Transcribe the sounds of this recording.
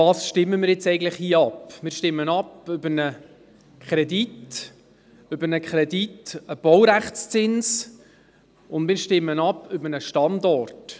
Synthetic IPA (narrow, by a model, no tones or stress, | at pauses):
ɑːsʃtɪmːəmɪːɾjɛt͡sɛɪɡən̩tləχhiːəɑpmɪːɾʃtɪmːənɑpʏbənə | kʰχɾɛdit | ʏbəɾnəkʰχɾɛditəb̥ɔwɾæχt͡st͡sɪns | ʊndmɪːɾʃtɪmːənɑpʏbənəʃtɑndɔrt